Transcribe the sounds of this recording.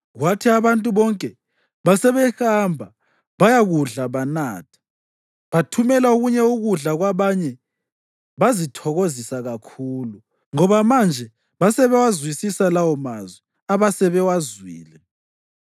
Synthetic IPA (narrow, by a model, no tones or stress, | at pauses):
ɣwatʰiaβantʼuβɔŋkʼɛ | βasɛβɛhambʱa | βajaɣuɮaβanaːtʰḁ | βatʰumɛlauɣuɲɛuɣuɮaɣwaβaɲɛ | βazitʰɔɣozisaɣakʰuːlu | ŋɔβamand͡ʒʱɛ | βasɛβɛwazwisisalawɔmazwɛ | aβasɛβɛwazwiːlɛ